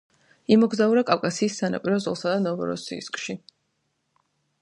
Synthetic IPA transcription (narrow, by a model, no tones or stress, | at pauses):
imɔɡzauɾakʼawkʼasiːsːana̰pʼiɾɔzɔlˠsad̪anɔvɔ̰ɾɔ̰sḭskʼʃi